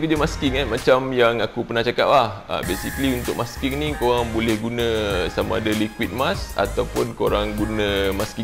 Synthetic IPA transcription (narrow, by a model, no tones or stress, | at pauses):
kəd͡ʒəmaskiŋanmat͡ʃamjaŋakupənaht͡ʃaka̰p̚laha̰besikəliunt̪ʊk̚maskiŋnĩkoɾaŋbolɛhɡunə̃samãːdalikwit̪̚masa̰t̪awpʊnkoɾaŋɡunə̃maski